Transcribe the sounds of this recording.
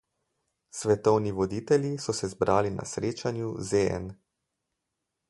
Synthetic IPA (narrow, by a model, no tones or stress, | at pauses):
sʋɛt̪ɔwniʋɔd̪iːt̪ɛljisɔsɛzbɾʔaːlina̰sɾeːt͡ʃanjuzeɛ̰n